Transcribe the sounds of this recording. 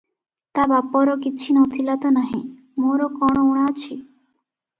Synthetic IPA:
t̪abapːɔɾɔkit͡ʃʰinɔt̪ʰilat̪ɔnaɦĩ | moɾɔkɔɽ̃ɔuɽ̃at͡ʃʰi

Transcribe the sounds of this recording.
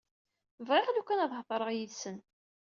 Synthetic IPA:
vʁeʁlukʷːænæðˤhðˤəɾˤəʁjiðsən

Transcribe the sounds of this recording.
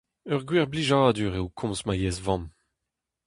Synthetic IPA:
œʁɡwiʁbliʒaːd̪yʁewkʰɔ̃mzmajɛzvɑ̃m

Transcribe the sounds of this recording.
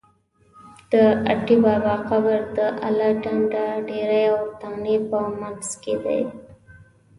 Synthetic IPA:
d̪̥əaʈibabɑqabaɾd̪əʔalaʈaɳɖaɖeɾajawt̪aɣnepəmalz̥ked̪a̰j

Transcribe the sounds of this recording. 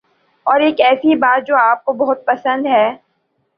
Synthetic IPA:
ɔːɾeːkɛːsibaːt̪̚d͡ʒoːaːp̚kobɐɦʊt̪̚pɐsə̃nd̪ɦɛː

